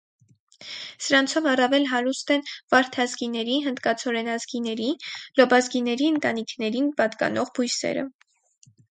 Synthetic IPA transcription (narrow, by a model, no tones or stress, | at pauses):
səɾɑnt͡sʰɔvɑrɑvɛlɦɑɾust̪ɛnvɑɾt̪ʰɑzɡinɛɾiɦənd̪kɑt͡sʰɔɾɛnɑzɡinɛɾilɔbɑzɡinɛɾiənt̪ɑnikʰnɛɾinpɑt̪kɑ̰nɔʁbujsɛ̰ɾə̰